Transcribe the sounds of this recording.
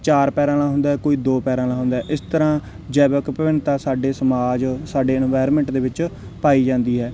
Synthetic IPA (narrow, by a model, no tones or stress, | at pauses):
t͡ʃaːɾpɛːɾãːnãːɦʊ̃nd̪aːɛːkoːiːd̪oːpɛːɾãːnaːɦʊ̃nd̪aːʔɪst̪əɾãː | d͡ʒɛːbəkpəʋɪnt̪aːsaːɖeːsəmaːd͡ʒsaːɖeːɛnʋaːɪɾmɛ̃ːɳʈd̪eːʋɪt͡ʃ | paːiːd͡ʒãːnd̪iːɦɛː